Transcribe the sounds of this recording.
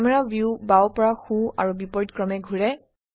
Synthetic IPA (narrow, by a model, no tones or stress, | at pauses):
mɛɹavjubawpɔɹaxua̰ɹubipɔɹtkɹɔmɛɡʱuɹɛ